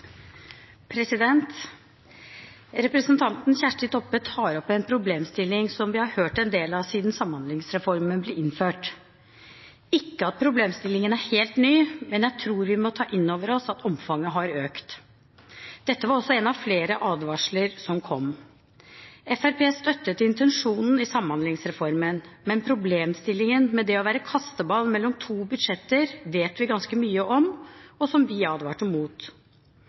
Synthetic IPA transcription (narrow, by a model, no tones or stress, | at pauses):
pʰɾɛsɪd̪ɛnt̪ | ɾɛpɾəsənt̪ʰɑnt̪n̩çæʂʈɪt̪ʰɔpːət̪ʰɑːɾɔpːɛnpʰɾʊbleːmst̪ɪlːɪŋsɔmʋɪhɑɾhøːʈɛnd̪eːlɑʋsiːd̪nsɑmhɑnd̪lɪŋsɾɛfɔɾmənblɛɪnføːʈ | ɪkːəɑt̪̚pʰɾʊbleːmst̪ɪlːɪŋənæɾheːlt̪nyːmɛnjæɪt̪ʰɾuːɾʋɪmɔt̪ʰɑːʔɪnːoːʋəɾɔsɑt̪ʰɔmfɑŋːəɦɑɾøːkt̪ | d̪̥ɛt̪ːəʋɑɾɔsɔɛnɑʋfleːɾəʔɑːd̪ʋɑʂɭəɾsɔmkʰɔm | ɛfæɾpʰeːst̪œt̪ːət̪ʰːɪɪnt̪ɛnʂuːnn̩ɪsɑmːɑnlɪŋsɾɛfɔɾmənmɛnpʰɾʊbleːmst̪ɪlːɪŋənmɛd̪ɛɔʋæːɾəkʰɑst̪əbɑːlmɛlːɔmt̪ʰuːbʉd̪ʂɛt̪ːəɾʋeːt̪ʋɪɡɑnskəmyːəʔɔmɔsɔmʋɪɑːd̪ʋɑːʈəmuːt̪